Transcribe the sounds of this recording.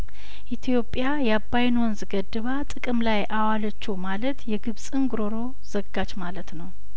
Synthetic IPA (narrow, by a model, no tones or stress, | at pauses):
ʔit̪ʰjo̞pʼːjajɛabːajnwɔnzɨɡəd̪ːɨβat̪ʼɨkʼɨmlajʔawalət͡ʃːumalət̪jɛɡɨβsʼɨŋɡɨɾoɾo̞ | z̥əɡːat͡ʃmalət̪nəw